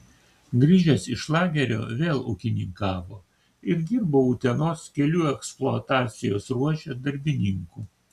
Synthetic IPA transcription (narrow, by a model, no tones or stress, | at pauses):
ɡɾʲiːʒʲɛsɪʃlˠɑːɡʲɛɾʲo̰ːʋʲeːlˠʊ̰kʲɪnʲɪŋkɑːʋoː | ɪɾd̪ʲiːɾboːʊt̪ʲɛnoːskʲɛlʲuːɛksplˠoɐt̪ɑːt̪sʲɪjoːsɾuɔʃʲɛd̪ɐɾʲbʲɪnʲɪŋkuː